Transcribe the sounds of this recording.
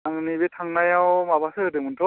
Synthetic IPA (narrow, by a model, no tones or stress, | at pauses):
aŋɯnibetʰaŋnajawmabasɯɯdɯmɯntʰɔ